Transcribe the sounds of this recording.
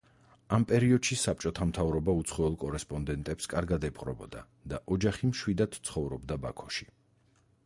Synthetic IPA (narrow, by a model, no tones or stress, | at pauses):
ampʼɛɾiɔd̪̥ʃisap̚ʼt͡ʃʼɔt̪ʰamt̪ʰavɾɔbaut̪sʰχɔɛlˠkʼɔɾɛspʼɔnd̪ɛnt̪ʼɛpskʼaɾɡad̪ɛpʼqʼɾɔ̰bɔ̰d̪a | d̪̥aʔɔd͡ʒaχimʃwid̪ad̪̥t̪sʰχɔvɾɔbd̪abakʰɔʃi̥